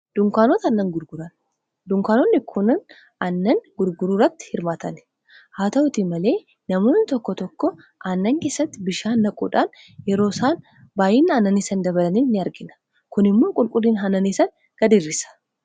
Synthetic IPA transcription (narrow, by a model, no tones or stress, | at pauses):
d̪̥ʊŋkaːnot̪ɐnːɐŋɡʊɾɡʊɾɐn | d̪ʊŋkaːnonːɪkʰʊnɐn | ɐnːɐŋɡʊɾɡʊɾuːɾɐt̪ːɪ̥hɪɾmaːt̪ɐn | haːt̪ɐɔt̪iːmɐle̞ː | nɐmoːnːɪt̪ɔkːɔt̪ɔkːɔ | ʔɐnːɐŋke̞ːsɐt̪ːɪbɪʃaːnːɐkʼṵːᶑaːn | jɛɾo̞ːsaːn | baːjɪːnːɐnːɐnisɐnd̪ɐbɐlɐniːnnːɪɐɾɡɪnɐ̥ | kʊnɪmːo̞ːkʼʊlkʼʊlːiːnɦɐnɐnisɐn | ɡ̥ɐd̪ɪrːɪsɐ̥